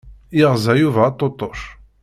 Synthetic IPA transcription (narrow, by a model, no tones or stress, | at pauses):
iʁzæjuvæːt̪ˤːot̪ˤːoʃ